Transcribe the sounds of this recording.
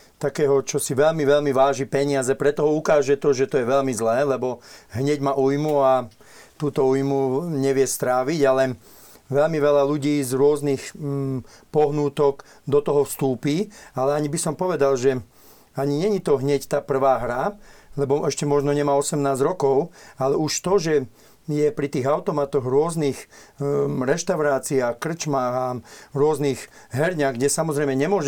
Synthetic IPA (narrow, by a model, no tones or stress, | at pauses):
t̪akɛːɦɔt͡ʃɔsiʋɛʎmiʋɛʎmiʋaːʒipɛɲɪazɛpɾɛt̪ɔɦɔukaːʒɛt̪ɔʒɛt̪ɔjɛʋɛʎmizlɛːlɛbɔɦɲɛɟmaʔujmua | t̪uːt̪ɔujmuɲɛʋɪɛst̪ɾaːʋiɟalɛ | ʋɛʎmiʋɛʎaluɟiːzɾʊɔznix | pɔɦnuːt̪ɔk | d̪ɔt̪ɔɦɔfst̪uːpiːalɛaɲibisɔmpɔʋɛd̪alʒɛ | aɲiɲɛɲit̪ɔɦɲɛct̪aːpr̩ʋaːɦɾalɛbɔʔɛʃcɛmɔʒnɔɲɛmaːɔsɛmnaːzɾɔkɔʊalɛuʃt̪ɔʒɛ | jɛpɾit̪iːɣaʊt̪ɔmat̪ɔɣɾʊɔzniːx | ɾɛʃt̪aʊɾaːt͡siaxkr̩t͡ʃmaːɣaɾʊɔzniːɣ | ɦɛɾɲaːɣɡɟɛsamɔzɾɛɪmɛɲɛmʊɔʒ